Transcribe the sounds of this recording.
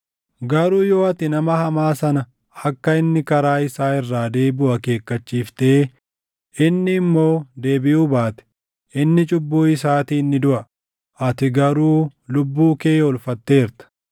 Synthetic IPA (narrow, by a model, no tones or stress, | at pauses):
ɡɐɾuːjo̞ːɐt̪ɪnɐmɐhɐmaːsɐnɐ | ɐkːɐɪnːɪkɐɾaːɪsaːɪrːaːd̪e̞ːbʊʔɐke̞ːkːɐt͡ʃːiːft̪e̞ː | ɪnːɪːmːo̞ːd̪e̞ːbɪʔuːbaːt̪ɛ̥ | ʔɪnːɪt͡ʃʼʊbːuːɪs̬aːt̪iːnːɪd̪ʊʔɐ | ʔɐt̪ɪɡɐɾuːlʊbːuːke̞ːɔlfɐt̪ːe̞ːɾt̪ɐ̥